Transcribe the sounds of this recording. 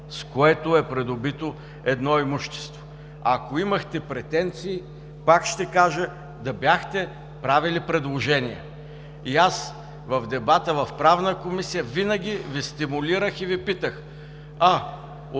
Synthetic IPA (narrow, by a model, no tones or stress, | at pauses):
skoɛt̪ʊɛpɾɛd̪ʊbit̪o | ɛd̪nɔimuʃt̪ɛ̥st̪vo̥ | ɐkoiməxt̪ɛpɾɛt̪ɛnt̪siː | pakʃt̪ɛkaʒə | d̪ɐbjaxt̪ɛ | pɾavilipɾɛd̪lˠoʒɛnʲijɛ̰ | ias | vɐvd̪ɛbat̪əvɐfpɾavnəkomisijəvinəɡʲivist̪imʊliɾəxivipit̪əx | a